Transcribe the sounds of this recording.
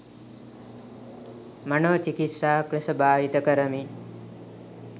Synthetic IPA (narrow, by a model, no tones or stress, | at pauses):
mɐnoːt͡ʃikit̪ʂaːkɾɐsɐbaːjit̪ɐkɐɾəmi